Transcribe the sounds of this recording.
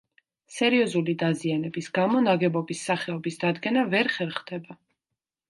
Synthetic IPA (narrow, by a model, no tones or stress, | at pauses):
sɛɾiɔzulid̪azianɛbisɡ̥amɔnaɡɛbɔbisːaχɛɔbisd̪ad̪ɡɛnavɛɾχɛɾχd̪ɛba